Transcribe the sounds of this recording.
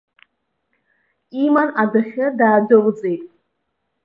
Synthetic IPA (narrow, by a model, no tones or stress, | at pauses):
imanadɨχʲɪdaːdɨʁʼd͡zʼejtʼ